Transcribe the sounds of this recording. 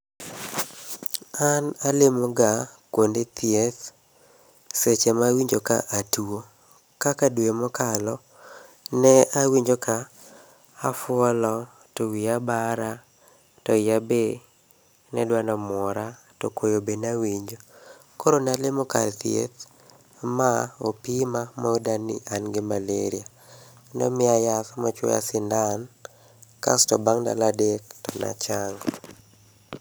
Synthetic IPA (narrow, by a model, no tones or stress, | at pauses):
analɪmɔɡakwondet̪ʰɪet̪ | set͡ʃɛmawiɲd͡ʒoka̰ʔatuo | kakadwemɔkalɔ | nɛawiɲd͡ʒokaː | fʊɔlɔ | towiabaɾa | tɔɪabe | nɛdwanɔmɔɾa | tɔkʰojobenawiɲd͡ʒo | koɾonalɪmoka̰ltjḛt̪ | maopimamoodanɪ̰ʔanɡɪmaleɾia | nɔ̰mɪajasɔmat͡ʃwɔ̰ja̰sɪndan | kastɔbaŋda̰ladek̚tɔna̰t͡ʃaŋɡ